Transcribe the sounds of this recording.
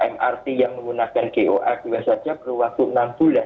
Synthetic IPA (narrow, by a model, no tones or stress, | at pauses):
ʔɛmʔart̪ijaŋməŋɡunakankeʔoʔad̥uwasad͡ʒabərwak̚t̪uənamb̥ulan